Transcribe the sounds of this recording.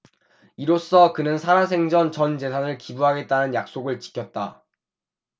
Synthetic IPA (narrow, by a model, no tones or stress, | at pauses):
iɾos͈ʌkɯnɯnsʰaɾas̬ʰe̞ŋd͡ʑʌnt͡ɕʌnd͡ʑe̞sʰanɯɭkibuɦaɡe̞t̚t͈anɯnjak̚s͈oɡɯɭt͡ɕi̥kʰjʌt̚t͈a